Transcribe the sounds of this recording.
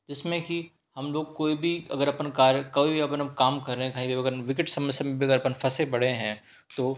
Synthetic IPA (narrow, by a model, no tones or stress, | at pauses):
d͡ʒɪsmẽki | hɐmloːɡ̚koːibʱiɐ̰ɡəɾɐpənkaːɾjəkɐibʱiɐpənɐmkaːmkɐɾːeẽkaːɦĩbɐbɐɡəɾʋɪkɪʈsɐməsjamẽbʱiɐɡəɾɐpənfʰɐsebɐɽ̤eɦɛ̃ː | t̪oː